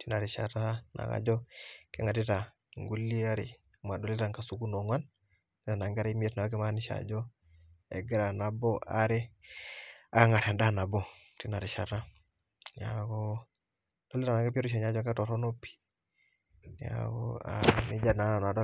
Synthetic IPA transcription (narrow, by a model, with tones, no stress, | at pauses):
ti˦na˨ɾi˨ʃa̰˨ɾa˦na̰˨ka̰˨d͡ʒɔ˦kɛ˦ŋa˨ti˦ta˨ | ŋɡu˦lːi˦a˦ɾḭ˨ | ma˨dɔ˨li˦ɾa˨ŋka˨su˦ku˦no˨ŋwa˦n | ni˦ta˨na˨ŋɡa˦ɾi˦m˦ɛ˦tna˨wa˦kɛ˦ma˦ni˦ʃa̰˨d͡ʒɔ˦ | ɛ̰˨ɡi˦ɾa˨na˨bɔa̰˦ɾi˦ | a˨ŋa˨ɾa˨nda˦na˨bɔ˨ | ti˦na˨ɾi˨ʃa˨ɾa˦ | n˨akɔ˦ | d̥ɔ˨li˦ɾa˨na˨ŋɡe˦p̬i˦ɾu˦ʃ̬a˨ɲa˦d͡ʒɔ˦ŋka˦tɔ˨ɾɔ˦no˦pi̥˦ | na̰kɔ̰a̰˨nḭ˦d͡ʒa˦na˨˦na˨n˨a˨dɔ˦